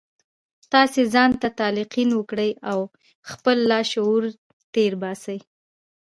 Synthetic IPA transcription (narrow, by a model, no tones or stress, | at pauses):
t̪ɑsezɑnt̪at̪ɑlɪqinwəkɽəjaw | xpəlːɑʃouɾ | t̪eɾbɑsəj